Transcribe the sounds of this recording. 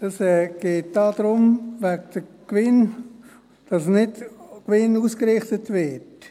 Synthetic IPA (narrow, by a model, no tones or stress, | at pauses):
d̥ɑsɛɡ̥eːt̚d̥ɑd̥̪ɾʊmvæk̚d̥əkʋɪn | d̥ɑsnɪdkvɪnuːskɾɪχtətvɪt